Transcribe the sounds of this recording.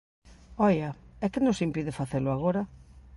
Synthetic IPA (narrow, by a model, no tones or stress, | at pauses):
ɔjɐɛkɪnõsimpiðɪfaθelʊaɣ̞oɾɐ